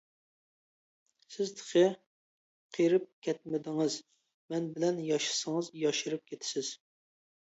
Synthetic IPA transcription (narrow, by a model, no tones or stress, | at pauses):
sɪzt̪ʰə̥χʰɨ | qʰiɾɪp̚kʲʰɛt̪̚mɪd̪ɪŋɨz | mɛnbɪlɛnjɑʃɨ̥səŋɨzjɑʃɪɾɨp̚kʲʰet̪ʰɪ̥sɪz̥